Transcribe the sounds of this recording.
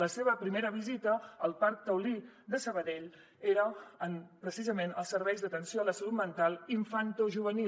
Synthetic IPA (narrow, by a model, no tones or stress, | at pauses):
ləseβ̞əpɾimeɾəβizit̪əəlˠpaɾk̚t̪əwlid̪əsəβəðeʎ | eɾəːnpɾəsizəmenəlˠsəɾβɛjzðət̪ənsioləsəlut̪mənt̪alˠiɱfant̪oʒuβəni